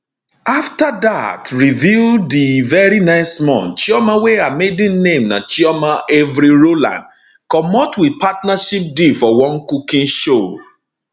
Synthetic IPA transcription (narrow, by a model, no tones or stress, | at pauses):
aftada̰tɹivildivɛɹinaɪsmɔ̰̃nt͡ʃiɔmaweamedĩnnẽmna̰t͡ʃiɔmaʔɛvɾiɹolã̰nd | kɔmɔtwipatnaʃip̚difɔwɔ̃nkukĩnʃo